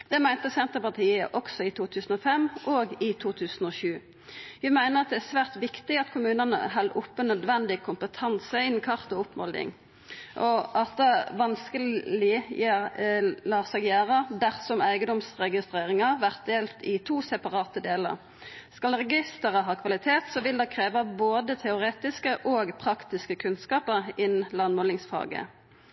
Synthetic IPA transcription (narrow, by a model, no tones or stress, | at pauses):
d̪̥ɛmæɪnt̪əsɛnt̪əʁpɑʁt̪ʰiːə̰ʔɔksɔɪt̪ʰuːt̪ʰʉːsn̩ɔfɛmːʔoːɡɪt̪ʰuːt̪ʰʉːsn̩oːʃʉː | ʋæmæɪnəʁɑt̪̚d̪ɛæsʋæːʁt̪ʋɪkt̪ɪɑt̪kʰʊmʉːnənə̰ɦɑlʔʊpːənœd̪ʋɛnd̪ɪkʰʊmpət̪ʰɑnsəɪnːn̩kʰɑʁt̪ɔʊpmɔld̪ɪ̰ŋ | ʔɔʔɑt̪ʋɑnskəlɪjæːlɑːsɑɡjæːʁɑd̪æʁsɔmæɪɡəd̪ɔmsʁɛɡɪst̪ʁeːʁɪŋɑʋæʁt̪̚d̪eːlt̪ɪt̪ʰuːsɛpɑʁɑːt̪əd̪eːlə̰ʁ | skɑlʁɛɡɪst̪əʁəɦɑːkʰʋɑlɪt̪ʰeːt̪sɔʋɪld̪ɑkʰʁeːʋɑboːd̪ət̪ʰɛʊʁeːt̪ɪskəʔoːɡpʰʁɑkt̪ɪskəkʰʉnskɑːpəʁɪnlɑnmɔlɪŋsfɑ̰ːɡə̰